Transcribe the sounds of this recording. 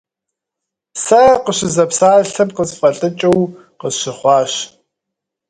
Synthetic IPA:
sɐqəɕɪzɐpsaːɬɨmqəzfʼɐɬʼɨt͡ʃʼɨw | qəzɕɪχʷɑːɕ

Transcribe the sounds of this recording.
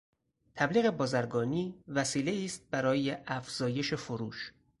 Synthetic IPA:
t̪ʰæbliːɣe̞bɒːzæɾɡɒːniːvæsiːle̞iːst̪̚bæɾɒːjeʔæfz̥ɒːje̞ʃefoɾuːʃ

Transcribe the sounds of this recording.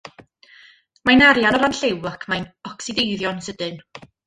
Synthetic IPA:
majnaɾjanɔlanɬewəkʰmajnɔksɪdejðjɔnsədɨn

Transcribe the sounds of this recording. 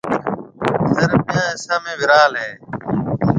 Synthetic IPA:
səɾpɪjãːɪsãːmẽːʋɪɾaːlɦɛː

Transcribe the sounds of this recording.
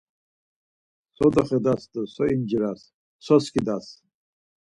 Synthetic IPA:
sɔd̪ɔχɛd̪asd̪əsɔind͡ʒiɾas | sɔskʰid̪as

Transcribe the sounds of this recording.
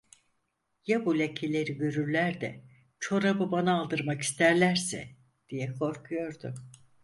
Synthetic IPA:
jabulʲecʰelʲe̞ɾiɟø̞ɾyɾlʲæɾd̪ɛ | t͡ʃʰo̞ɾabɯbanaːlˠd̪ɯɾmaki̥st̪ʰæɾlʲæɾsɛ̰ | d̪̥ijɛkʰo̞ɾkʰujo̞ɾd̪ʊ

